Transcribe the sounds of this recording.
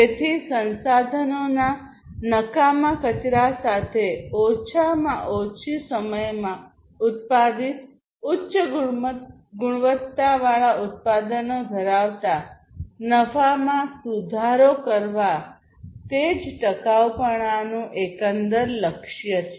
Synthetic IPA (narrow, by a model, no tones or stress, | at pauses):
d͡ʒet̪ʰisənsad̪ʱənona | nəkamãkət͡ʃɾasat̪ʰeot͡ʃʰamãʔot͡ʃʰisəməjmã | ʊt̪̚pad̪it̪ | ʊtːʃəɡʊɽmət̪ | ɡʊɽ̃ʋət̪ːaʋaɭaʔʊt̪̚pad̪ənod̪ʱəɾaʋt̪a | nəfamãsud̪ʱaɾokəɾʋa | t̪ed͡ʒʈəkaʋpəɽ̃anũʔekənd̪əɾləkʃjət͡ʃʰe